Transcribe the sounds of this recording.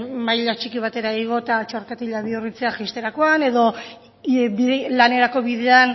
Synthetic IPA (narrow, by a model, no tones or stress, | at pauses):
majʎat͡ʃikiβ̞at̪e̞ɾaiɣ̞o̞t̪at͡ʃo̞rkat̪iʎaβiurit͡se̞axist̪e̞ɾako̞ane̞ðo̞ | ilane̞ɾako̞βiðe̞an